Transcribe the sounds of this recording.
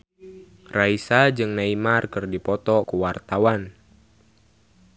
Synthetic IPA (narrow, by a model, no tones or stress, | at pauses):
raisad͡ʒɨŋnaimarkɨrdipɔt̪ɔkuwart̪awan